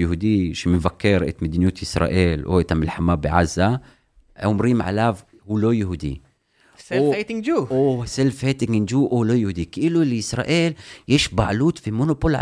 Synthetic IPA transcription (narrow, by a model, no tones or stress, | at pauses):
jʊhud̪iʃimɪnvakːeɾˤʔɪ̰t̪mad̪injuːt̪jɪsɾˤɑ̰ʔiːlʔo̰t̪amɪlħamːaːbɪʕazːa | ʊmɾiːmʕa̰laːv | huːlojʊhud̪ḭː | set̪ɪŋd͡ʒuːoselfeːt̪ɪŋɡɪnd͡ʒuːʔolojʊhud̪iːkiʔɪlulɪsɾˤɑ̰ːʔiːljeʃbaʕluːt̪fimʊnopolʕ